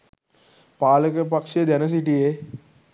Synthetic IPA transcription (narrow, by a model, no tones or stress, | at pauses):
paːləkep̬əkʂed̪janəs̬iʈie